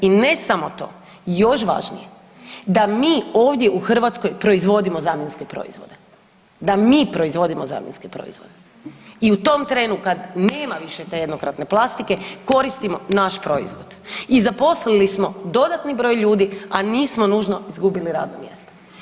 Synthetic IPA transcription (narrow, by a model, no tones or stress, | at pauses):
ine̞samo̞t̪o̞ː | jo̞ʃ̬ʋa̰ʒnḭje | d̪amiːo̞ːʋd̪jeʔuxr̩ʋat̪sko̞jpɾo̞izʋo̞d̪imo̞zaːmjenskepɾo̰ḭzʋo̞d̪e̞ | d̪amiːpɾo̞izʋo̞d̪imoza̰ːmjenskepɾo̰ḭzʋod̪e | iut̪o̞mt̪ɾe̞ːnukad̪ne̞ːmaʋiʃet̪eje̞d̪nokɾat̪ne̞plˠast̪ike̞ko̞ɾist̪imo̞naʃpɾo̞ḭzʋod̪̥izapo̞slilismo̞d̪o̞d̪at̪nibɾo̞ːjʎuːd̪ianiːsmo̞nuːʒno̞izɡubiliɾa̰ːd̪no̰mje̞̰st̪o̥